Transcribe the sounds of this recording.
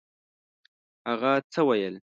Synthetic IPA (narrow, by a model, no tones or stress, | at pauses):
haɣat͡səwajəl